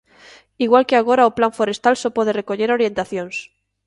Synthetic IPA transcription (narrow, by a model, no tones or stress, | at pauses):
iɣwalkeaɣ̞o̞ɾaoplaɱfoɾe̞st̪alsopwoð̞erekoʎeɾo̞ɾjẽ̞nt̪aθjõns